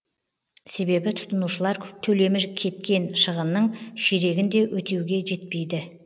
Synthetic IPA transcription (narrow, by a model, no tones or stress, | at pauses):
se̞be̞bɪt̪ʰʊ̥t̪ənuʃəlˠɑɾt̪ʰɵle̞mɪɾkʲʰe̞t̪̚kʲe̞nʃəʁənːəɴʃeɾe̞ɡʲɪnd̪e̞wʔɵt̪ʰe̞wɡʲe̞ʒe̞t̪̚pe̞jd̪ɪ